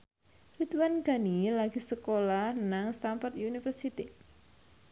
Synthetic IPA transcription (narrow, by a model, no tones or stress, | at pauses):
rit̪wanɡanilaɡ̥i̤səkolahnaŋst̪amfɔrt̪unifərsit̪i